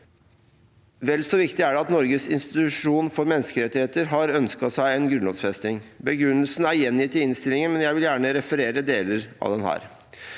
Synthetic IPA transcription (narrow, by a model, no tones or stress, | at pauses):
ʋɛlːsɔʋɪkt̪ɪæɖɛɑt̪nɔɾɡəsɪ̰nst̪ɪt̪ʉʂuːnfɔɾmɛnːskəɾɛt̪ːɪheːt̪əɾɦɑɾœnskɑsæɪɛnɡɾʉnɑ̰ːsfɛst̪ɪŋbəɡɾʉnːəlsn̩æɾjɛnjɪt̪ʰːɪɪnst̪ɪlɪŋənmɛnjæɪʋɪljæːɳəɾɛfəɾeːɾəd̪eːləɾɑ̰ʋd̪ɛnhæ̰ːɾ